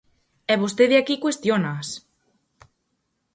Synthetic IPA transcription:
ɛβost̪eðeakikwest̪jonas

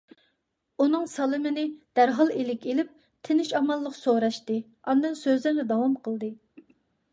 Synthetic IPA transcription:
unɨŋsɑlˠɨmɪnɪd̪̥æɾɦɑlˠelɪkʲelɪp̚ | t̪ʰɪnɪʃɑmɑlˠːəqsoɾɑʃt̪ɨ | ɑnd̪ɨnsøzlɪɾnɪd̪ɑwɑmqʰəlˠd̪ɨ

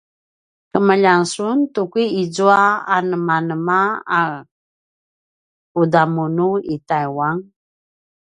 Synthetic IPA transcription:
kəməʎansuntukiid͡zuaanəmanəmaa | kudamunuitajwaŋ

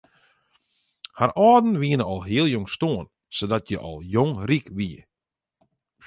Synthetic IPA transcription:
haɾɔːdn̩ʋiənəɔlˠɦiəlˠjɔŋstoən | sodɔtjə̰ʔɔ̰lˠjoŋrikʋiə̰

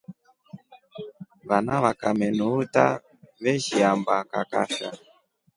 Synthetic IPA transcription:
βanaβakamɛnuuta | βɛʃiambaka̰ka̰fa̰

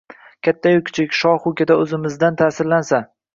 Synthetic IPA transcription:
kʲʰat̪ʰːajʊkʲʰːʊ̥t͡ʃʰɪkʲʃɒχʊkʲad̪aɵzɪmɪzd̪ant̪ʰaːsɪɾlansa

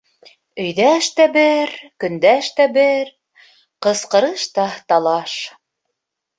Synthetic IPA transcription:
ɵ̆jðæʃt̪æbɘɾkɵ̆nd̪æʃt̪æbɘɾ | qɤ̆sqɤ̆ɾɤʃt̪ɑt̪ɑlˠɑʃ

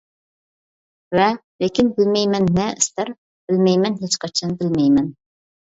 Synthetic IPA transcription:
vɛ | lekʲinbɪlmɛjmɛnːɛɪst̪æɾ | b̥ɪlmɛjmɛnɦet͡ʃqɑt͡ʃʰɑnbɪlmɛjmɛn

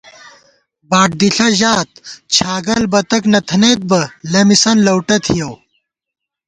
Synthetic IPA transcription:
baːʈ̚d̪iɬɐʑaːt̪̚t͡ɕʰaːɡɐlbɐt̪ɐknɐt̪ʰɐnet̪̚bɐlɐmisɐnlɐwʈɐt̪ʰijɐw

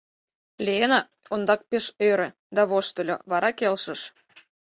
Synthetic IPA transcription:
lʲeenɑ | ond̪ɑk̚peʃøɾĕ | d̪ɑβoʃt̪ə̆lʲo̰βɑɾɑkelʃə̆ʃ

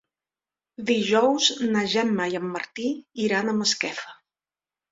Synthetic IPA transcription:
d̪iʒɔwznəʒɛmːajəmːəɾt̪iiɾanəməskɛfə

